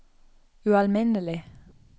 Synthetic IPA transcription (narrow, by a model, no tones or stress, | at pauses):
ʉɑlmɪnəlɪ